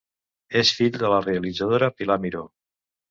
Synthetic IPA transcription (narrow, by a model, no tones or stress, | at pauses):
esfiʎd̪ələreəlid͡zəð̞oɾəpilamiɾo